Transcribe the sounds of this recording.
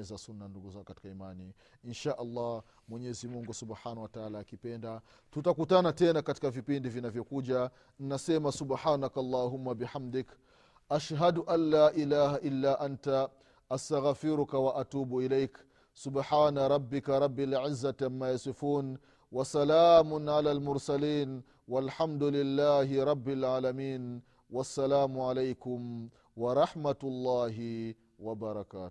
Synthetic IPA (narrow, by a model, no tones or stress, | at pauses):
ɛzasunːanduɡuzakati̥kaimani | inʃaːʔɑlˤːɑ | mwɛɲɛzimuŋɡusubħaːnawataalaːkipɛnda | tutakutanatɛnakati̥kavipindivinavjɔkuʄa | n̩nasɛmasubħaːnakalˤːɑːɦʊmːabiħamd̪ɪk | ʔaʃɦaduʔanːaːʔilaːhaʔilːaʔanta | ʔast̪aɣfɪɾʊkawaʔat̪uːbʔɪlajk | sʊbħaːnaɾˤɑbːɪkaɾˤɑbːɪlʕɪzːat̪amːaːjasɨfuːn | wasalaːmʊnʕalaːlmʊɾsaliːn | walħamd̪ʊlɪlːaːhɪɾˤɑbːɪlʕaːlamiːn | wasːalaːmʊʕalajkʊm | wɑɾˤɑħmat̪ʊlˤːɑːɦɪ | wabɑɾˤɑkaːt̪ʊ̥